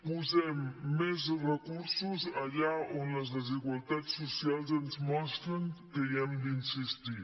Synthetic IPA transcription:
puzɛmːezrəkuɾsuzaʎaonləzðəziɣwalˠt̪asːusjalzenzmaskənkejɛmd̪insist̪i

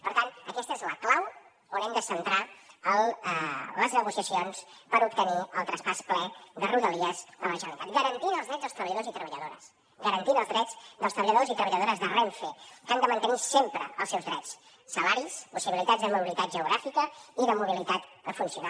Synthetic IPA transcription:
pəɾt̪anəkɛst̪əezləklaw | onɛmd̪əsənt̪ɾaəl | ləznəɣusiəsionspəɾup̚t̪əniə̰lˠt̪ɾəspasplɛðəruðəliəzələʒənnit̪at̪̚ɡəɾənt̪inəlˠzðɾɛdd͡zzðəlst̪ɾəβəʎəðozit̪ɾəβəʎəðoɾə̰s | ɡəɾənt̪inəlˠzðɾɛtt͡sd̪əlˠst̪ɾəβəʎəðozit̪ɾəβəʎəðoɾəzðəreɱfekand̪əmənt̪ənisempɾə̰ə̰lˠsɛwzðɾɛt͡s | səlaɾispusiβilit̪adzðəmuβilit̪at̪ʒəuɣɾafikəiðəmuβ̞ilit̪at̪d̪əfunsiuna

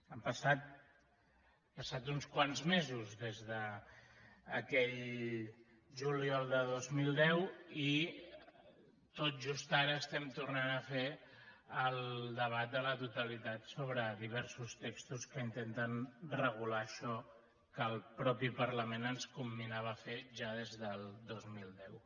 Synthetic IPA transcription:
əmpəsat̪̚ | pəsat̪unskwanzmezuzðezðəː | kɛʎ | ʒuliɔlˠd̪əðozmilˠd̪ɛwi | t̪ot̪̚ʒust̪aɾəːst̪ɛmt̪urnanəfe | əlˠd̪əβat̪̚d̪ələt̪ut̪əlit̪at̪soβɾəðiβ̞ɛɾsust̪ekst̪uskəint̪ent̪ənrəɣulaəʃɔ | kəlˠpɾɔpipəɾləmenənskumbinaβ̞əfeʒaðezðəlˠd̪ozmilˠd̪ɛw

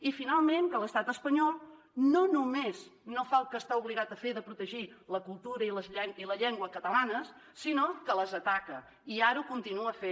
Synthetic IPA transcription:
ifinalˠmeŋkələst̪at̪əspəɲɔlˠ | nonumeznofalˠkəst̪auβliɣat̪əfeðəpɾut̪əʒiləkulˠt̪uɾəiləzʎɛiləʎɛŋɡwəkət̪əlanəs | sinokələzət̪akə | iaɾukunt̪inuəfe

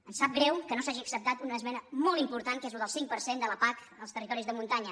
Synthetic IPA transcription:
ənsap̚ɡɾɛwkənosaʒiəksəp̚t̪at̪unəːzmɛnəmɔlˠimpuɾt̪ankezuðəlˠsiŋk̚pəɾsend̪ələpak | əlˠst̪ərit̪ɔɾizðəmunt̪aɲə

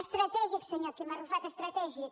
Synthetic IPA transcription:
ʃt̪ɾɐt̪ɛʒjɐksɛɲak̪emaɾufat̪ɐʃt̪ɾɐt̪ɛʒjɐ

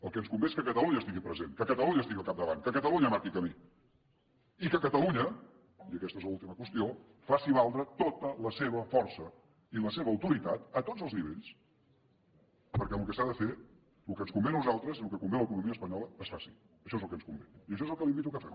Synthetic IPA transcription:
əlˠkənskumbeeskəkət̪əluɲəst̪iɣipɾəzenkəkət̪əluɲəst̪iɣiəlˠkap̚d̪əβa̰nkəkət̪əluɲəmaɾkikəmi | ikəkət̪əluɲə | iəkɛst̪ezləulˠt̪iməkwəst̪io | fasiβalˠd̪ɾət̪ot̪ələseβ̞əfɔrsə | iləseβəːwt̪uɾit̪at̪ət̪odd͡zəlˠzniβ̞ḛʎs | pəɾkɛmlukəsaðəfe | lukənskumbennuzalˠt̪ɾəzlukəkumbeləkunumiəspəɲɔləːsfasi | əʃɔezəlˠkənskumbḛiəʃ̬ɔezəlˠkəlimbit̪̬ukəfɛ̰

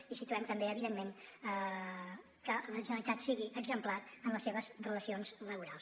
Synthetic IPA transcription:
isit̪uɛmt̪əmbeəβiðenmenə | kələʒənəlit̪at̪siɣiʔəɡzəmplaɾənləsːeβəzrələsionzləβuɾalˠs

